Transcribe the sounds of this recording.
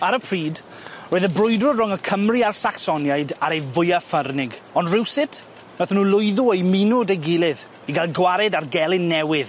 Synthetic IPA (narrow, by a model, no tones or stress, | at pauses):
aɾəpʰriːd | roːɨðəbrʊjdrɔrɔŋəkʰəmriarsaksɔnjajdaɾejvʊjafərnɪɡɔndrɪwsɪtʰ | naθnuːlˠʊjðʊejmɪnʊdejɡɪlˠɪð | iɡalˠɡwaɾɛdarɡɛlˠɪnːɛwɪð